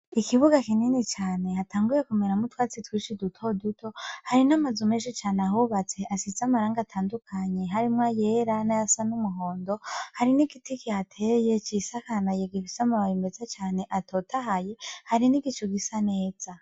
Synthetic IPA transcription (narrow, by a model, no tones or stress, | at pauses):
ikiβuɡakininit͡ʃaːne̞hatʰaːŋɡuje̞kumeɾamutwaːt͡sitwiːʃidutʰo̞dutʰo̞haɾinamazumeːʃit͡ʃaːneaɦuβat͡se̞ʔasizamaɾaːŋɡatʰaːndukʰaɲe̞ɦaɾimŋaje̞ːɾanajasanumuɦo̞ːndo̞haɾiniɡitikiatʰe̞je̞t͡ʃisakanajeɡifisamaβajimbezat͡ʃaːne̞ʔatotaɦaje̞haɾiniɡit͡ʃoɡisane̞ːz̥a